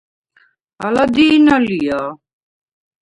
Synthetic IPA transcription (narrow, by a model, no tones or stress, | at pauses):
alad̪iːnalija